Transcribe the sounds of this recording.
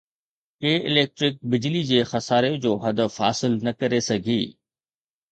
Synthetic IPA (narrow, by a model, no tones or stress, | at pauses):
keːʔɪ̰leːk̚ʈɾɪk̚bɪd͡ʑlid͡ʑeːxɐsaːɾẽd͡ʑoːɦɐd̪əfɦa̰ːsɪlnɐkɐɾesɐɡʱiː